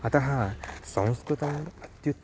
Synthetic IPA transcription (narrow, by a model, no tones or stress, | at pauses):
ɐt̪ɐɦasɐ̃w̃skɾut̪ɐmɐt̪jut̪